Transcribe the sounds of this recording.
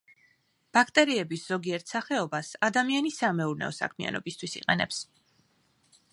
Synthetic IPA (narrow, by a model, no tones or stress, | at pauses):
b̥akʰt̪ʼɛɾiɛbisz̥ɔɡiɛɾt̪ʰsaχɛɔbasad̪amianisamɛuɾnɛ̰ɔsa̰kʰmia̰nɔ̰bist̪ʰwisḭqʼɛnɛ̰ps